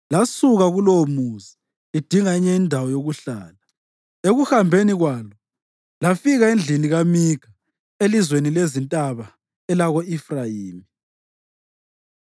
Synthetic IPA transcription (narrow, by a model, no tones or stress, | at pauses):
lasuɣaɣulomuzi | id̥ʱiŋaiɲɛindʱawɔjoɣuɬaːla | eɣuhambʱeniɣwaːlɔ | lafiɣaend͡ɮʱiniɣamiɡ̥ʱa | elizwenilezintʼaβa | ɛlaɣoifrajiːmi